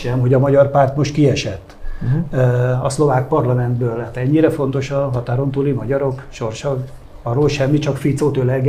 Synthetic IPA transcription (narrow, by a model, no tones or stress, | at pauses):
ʃɛmɦo̞ɟɒmɒɟɒrpaːrt̪mo̞ʃt̪kiɛʃɛt̪ː | ɒslo̞vaːk̚pɒrlɒmɛnd̪bøːlaːt̪ɛɲːiɾɛfo̞nt̪o̞ʃɒɦɒt̪aːɾo̞nt̪ulimɒɟɒɾo̞kʃo̞rʃɒ | ɒroːlʃɛmːit͡ʃɒkfit̪soːt̪ølɛɡ